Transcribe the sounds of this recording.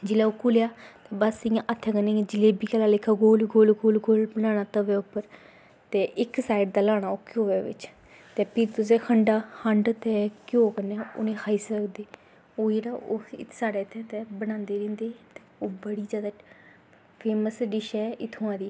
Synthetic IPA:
d͡ʒɪlaːoːkʊljaːt̪eːbəsɪjãːʔət̪ʰːãːkənẽːd͡ʒɪleːbiːkalaːlɪkʰːaːɡoːlɡoːlɡoːlɡoːlbənãːnaːt̪əʋɛːʊpːəɾ | t̪eːʔɪksaːɪɖd̪aːlaːɽ̃aːoːkoːʋɛːʋɪ̰t͡ʃ | t̪eːpʰɪɾt̪ʊs̬eːkʰəɳɖaːhəɳɖt̪ɛːkoːkənːɛːʊ̰nẽːkʰaːisəkd̪eː | oːiɾaːʔoːɪ̰t̪ʰsaːɽeːɪt̪ʰːɛːt̪ɛbəɽ̃ãːnd̪eːɾẽːnd̪eːt̪e̥oːbəɽiːd͡ʒjaːd̪aː | pʰeːməsɖɪʃɛːɪt̪ʰoãːd̪iː

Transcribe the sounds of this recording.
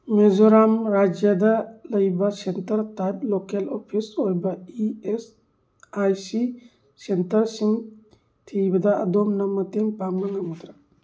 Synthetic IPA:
mezɔɾamɾad͡ʒjad̪aləjbasentəɾtajplokelɔpʰishojbaies | ajsi | sentɐɾsiŋ | t̪ʰijbad̪a̰ːd̪ɔmnamət̪empamaŋamut̪ɾa

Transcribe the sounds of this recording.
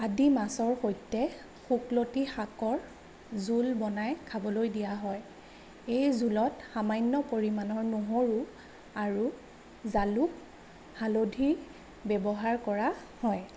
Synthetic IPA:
adimasɔɹxojtːɛ | xuklotixakɔɹ | zulbɔnajkʰabɔlojdijaɦɔj | ejzulɔtxamajnːɔpoɹimanɔɹnuɦoɹu | aɹu | zaluk̚ | halodʱiɹ | bɛbɔɦaɹkɔɹahɔj

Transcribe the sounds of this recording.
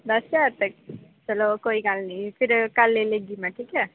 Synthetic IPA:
bʌsjaɾt̪əkt͡ʃʌlokoikalnipʰiɾkalːeleɡimaʈʰike

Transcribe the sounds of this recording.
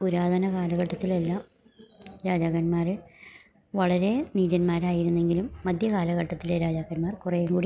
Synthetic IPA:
uɾaːd̪ʱɐnɐkaːlɐɣɐʈːɐt̪ːilɐlːɐ | ɾaːd͡ʑaːɣɐnmaːrɨ | ʋɐɭɐɾe̞niːd͡ʑɐnmaːɾaːjiɾunːe̞ŋɡilumːɐd̪ʱjɐkaːlɐɣɐʈːɐt̪ːileɾaːd͡ʑaːɣɐnmaːrkurɐjuŋɡuːɽi

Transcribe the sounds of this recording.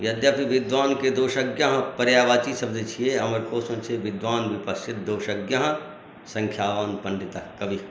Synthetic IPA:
ʋjɐd̪jaːpiʋɪd̪ʋaːnked̪oːʃɐɡjɐɦpɐɾjaːʋaːt͡ʃisɐb̚d̪it͡ʃʰieːɐmɐɾkoːsɐ̃nt͡ʃʰeʋɪd̪ʋaːnʋɪpɐsʰɪt̪̚d̪oːʃɐɡjɐɦ | sɐ̃ŋkʰjaːʋaːnpɐ̃ɳɖɪt̪akɐʋi

